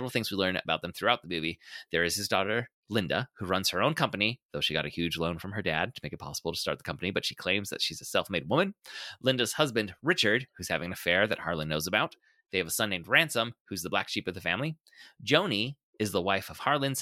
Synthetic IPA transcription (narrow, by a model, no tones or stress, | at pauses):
ɛvəɹl̩ˠθɪ̃ŋzwilɜ̃˞nɨ̰baʊt̪̚ðə̃mθɹʉaʊt̪̚ðəmʉviðə˞ɨz̥ɨzdɔɾə˞ | lɪ̃ndə̰huɹʌ̃nz̥hə˞õʊ̃nkʰʌ̃mpɨniðoʊʃiɡɑ̰ɾɨhjʉd͡ʒlõʊ̃nfɹʌ̃mə˞dæ̰d̚tʰəmekɨt̚pʰɑ̰səbl̩ˠtə̥stɑ̰ɹt̪̚ðəkʰʌ̃mpɨnibʌtʃikʰl̥ẽɪ̃mzðɨ̰tʃizɨsɛlˠfmeɪd̚wʊ̃mɨ̃nlɪ̃ndɨz̥hʌzbɨ̃ndɹɪt͡ʃə˞d̥̚hʉz̥hævɪ̃ŋɨ̃ɨfɛɹðɨ̰t̚hɑɹlˠə̃nːoʊzəbaʊt̪̚ | ðeɪɨvəsʌ̃nːẽɪ̃mdɹæ̃nsə̃mhʉzðəblækʃipʌvðɨfæ̃mli̥ | d͡ʒõʊ̃ni | ɨzðəwaɪfʌv̥hɑɹlˠɨ̃nz̥